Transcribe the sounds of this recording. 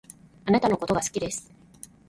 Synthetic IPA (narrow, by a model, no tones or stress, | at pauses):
anat̪ano̞ko̞t̪o̞ɡasɨ̥kʲid̪e̞sɨ̥